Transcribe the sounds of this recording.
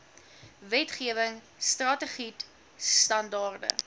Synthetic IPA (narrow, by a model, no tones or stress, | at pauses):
vɛtχiəvəŋ | strɑtəχit | stɐndɑːrdə̰